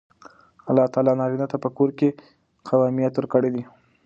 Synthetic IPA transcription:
alːɑt̪ɑlɑnɑɾinat̪apəkoɾke | qʰawɑmijat̪wɾkəɽed̪i

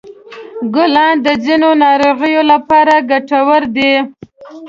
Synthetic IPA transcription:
ɡʊlɑnd̪əzinonɑɾoɣəjolapɑɾaɡaʈawəɾd̪e

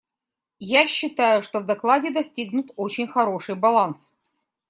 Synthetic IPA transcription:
jaɕːɪt̪ajʊʂt̪ovd̪ɐklˠadʲɪd̪ɐsʲtʲiɡnʊt̪o̞t͡ɕɪnʲxɐɾo̞ʂɨjbɐlˠans

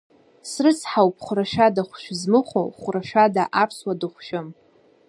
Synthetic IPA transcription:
srɨsħawp̚ʰʼχʷʊɾaʃᶣadaχʷʃᶣzmɨχʷo̰χʷʊraʃᶣadaʔapʰswadɨχʷʃɪm

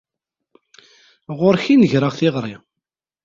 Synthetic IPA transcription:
ʁoɾçinəʝɾəʁθɪʁɾˤi

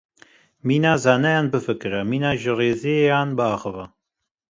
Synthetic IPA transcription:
miːnaːzaːnɛjaːnbɨfɨkɨɾɛmiːnaːʒɨreːzeejaːnbɨaːxɨva

